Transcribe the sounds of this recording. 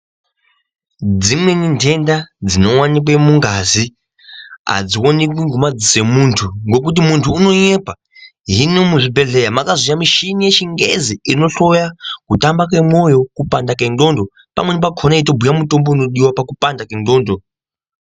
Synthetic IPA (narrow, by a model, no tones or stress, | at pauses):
d͡zimwe̞nintʰe̞ndad͡zino̞wanik̬wemuŋɡazi | ɦa̰d͡ziwonekwiŋɡumad͡zise̞muntʰuŋɡo̞k̬ut̬imuntʰuːno̞ɲe̞pa | ɦinomuʐibʱe̞ɮe̞jamakazijamiʃinije̞t͡ʃiŋɡe̞̰ziino̞ɬo̞jakutambak̬we̞mwo̞jo̞kupandakendo̞ndo̞ | pa̰mwenip̬akʰonaito̞bʱujamuto̞mbouno̞ɗiwapakupandakendo̞ːndo̞